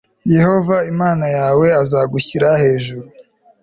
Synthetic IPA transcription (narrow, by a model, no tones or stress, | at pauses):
je̞ho̞vaimaːnajaːwe̞azaɡuciɾahe̞ːʒuɾu